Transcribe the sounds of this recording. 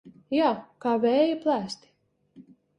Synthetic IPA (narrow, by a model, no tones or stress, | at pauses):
jaːkaːvʲɛːjiplˠæːst̪ʲi̥